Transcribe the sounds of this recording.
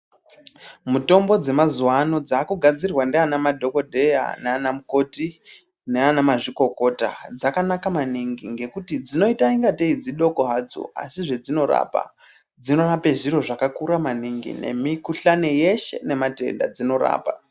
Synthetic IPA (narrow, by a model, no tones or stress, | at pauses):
muto̞mbo̞d͡ze̞mazuwano̞d͡zaːkuɡʱad͡zirwandeanamadʱo̞ko̞dʱeja̰neanamuko̞ti | neanamaʐiko̞ko̞ta̰d͡zakanakamaniŋɡḭŋɡe̞kutid͡zino̞itaiŋɡateid͡ziɗo̞koɦad͡zo̰a̰siʐe̞d͡zino̞ɾa̰pa̰ | d͡zino̞rape̞ʐiɾo̞ʐakakuɾamaniŋɡḭne̞̰mikuɬaneje̞ʃe̞̰ne̞mate̞̰nda̰d͡zino̞ɾa̰ːpa̰